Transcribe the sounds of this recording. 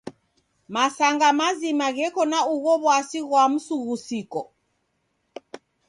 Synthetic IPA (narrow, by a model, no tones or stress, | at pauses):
masaŋɡamazimaɣɛkɔnauɣɔβwasiɣwam̩suɣusikɔ